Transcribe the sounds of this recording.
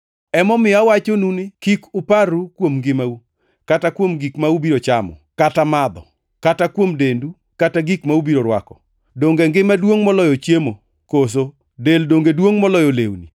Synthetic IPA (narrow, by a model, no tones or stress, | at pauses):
ɛmɔmɪawat͡ʃonunɪkikʊparukwomŋɡɪmau | katakwomɡikmaubiɾot͡ʃamɔ̰katamad̪ɔ̰ | katakwomdendu | kataɡikmaubiɾoɾwa̰kɔ | doŋɡeŋɡɪmadwoŋmɔlɔjɔt͡ʃjemo | kos̬o | deldoŋɡedwoŋmɔlɔjolḛwnḭ